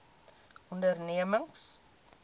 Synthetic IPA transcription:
ɔndərniəməŋs

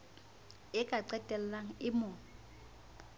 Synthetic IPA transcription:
ɪkʼaǀɛtʼɛllaŋ̩ɪmʊ

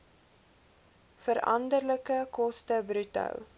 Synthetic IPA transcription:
fəɾɐ̰ndərləkəkɔstəbɾytɐ̰l

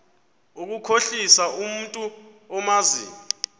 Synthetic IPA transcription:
uk̬ukʰoɬisaʔum̩tʼu | ɔmazḭːmi

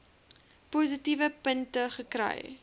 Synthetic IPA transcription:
puz̬itivəpəntəχəkrɛ̰j

